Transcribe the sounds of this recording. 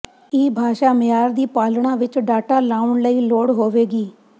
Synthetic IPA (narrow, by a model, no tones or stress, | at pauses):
ɪːbʱaːʃaːmɪjaːɾd̪iːpaːlɳãːʋɪt͡ʃɖaːʈaːlaːʊɳləiːloːɽɦoːʋeːɡiː